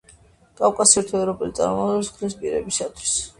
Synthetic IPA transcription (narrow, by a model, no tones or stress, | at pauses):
kʼavkʼasiɾt̪ʰɛvɾɔpʼɛlit̪sʼa̰ɾmɔɛskʰd̪ɛspʼiɾɛ̰bisat̪ʰwi̥s